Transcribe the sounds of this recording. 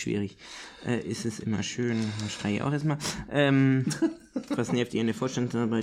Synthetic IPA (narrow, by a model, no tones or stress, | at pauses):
v̥ḭːʁɪç | ʔɛ̰ːʔɪstɛsʔɪmɐ̰ʃøːnaʃtʁ̥aɪ̰ʔa̰ʊxɛɐstmaːʔɛːm | vasnɛːptiːɐnəfoːɐʃtansaɐbaɪ